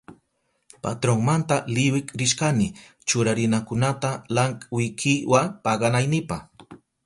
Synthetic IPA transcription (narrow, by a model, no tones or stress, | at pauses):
pa̰t̪ɾoŋmant̪alɪwɪkɾɪʃkanɪ | t͡ʃʊɾaɾɪnakʊnat̪alaŋkʼwɪkʰɪwapɑɢɑnajnɪpɑχ